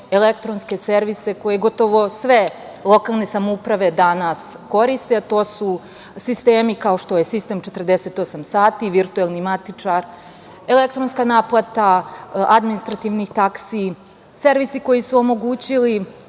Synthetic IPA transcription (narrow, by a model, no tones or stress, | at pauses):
elek̚t̪ɾo̞nske̞se̞ɾʋise̞ko̞jeɡo̞t̪o̞ʋo̞sʋe̞ | lˠo̞kalˠne̞samoupɾaʋe̞d̪anas | ko̞ɾist̪eat̪o̞ːsu | sist̪e̞ːmikao̞ʃt̪o̞jesist̪e̞mt͡ʃe̞t̪rd̪ese̞t̪o̞samsaːt̪iʋiɾt̪uelˠnimat̪it͡ʂaɾ | e̞lek̚t̪ɾo̞nskanaːplˠat̪aad̪minist̪ɾat̪iʋnixt̪aksi | se̞ɾʋisiko̞jisuomo̞ɡuːt͡ɕili